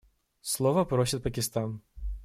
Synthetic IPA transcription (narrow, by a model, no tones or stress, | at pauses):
slˠovəpɾosʲɪt̪̚pəkʲɪst̪an